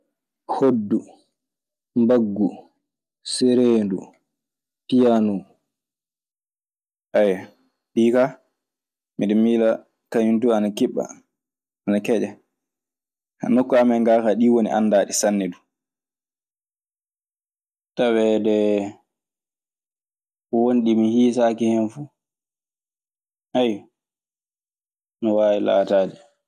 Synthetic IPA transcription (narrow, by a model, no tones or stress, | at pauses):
hodːu | mbaɡːu | sɛɾeːndu | tijanu | ʔaja | ɗiːka | miɗɛmiːla | kaɲuntuanakiɓːa̰ | anakɛd͡ʒɛ | ha̰nokːɔamɛŋɡaːkaɗiwonḭʔa̰nːdaːɗisanːɛdu | tawɛdɛ | kɔwonɗimihiːsaːkihɛnfuː | ʔaj | nɔwaːjila̰ːtaːd͡ʒɛ